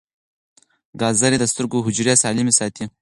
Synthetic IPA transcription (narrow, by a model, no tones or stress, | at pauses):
ɡɑːzaɾed̪əst̪əɾɡoɦʊd͡ʒɾjasɑlimesɑt̪ʰi